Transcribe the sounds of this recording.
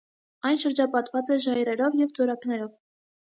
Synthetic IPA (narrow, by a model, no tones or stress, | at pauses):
ɑjnʃəɾd͡ʒɑpɑt̪vɑt͡sɛʒɑjɾɛɾɔvjɛvd͡zɔɾɑknɛɾɔv